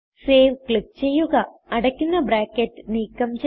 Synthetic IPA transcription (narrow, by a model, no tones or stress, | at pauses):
seːʋkɭik̚t͡ɕe̞jːuɣɐ | ɐɽɐkʲːunːɐbɾaːkːetːɨniːkːɐmt͡ɕ